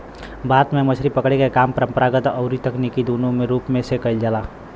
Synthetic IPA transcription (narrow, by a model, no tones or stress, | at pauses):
baːt̪mẽmət͡ʃʰɾipəkɽekekaːmpəɾə̃mpəɾaːɡət̪ɔʊɾit̪əknikid̪uːnõmẽɾuːpmẽsekəild͡ʒəlaː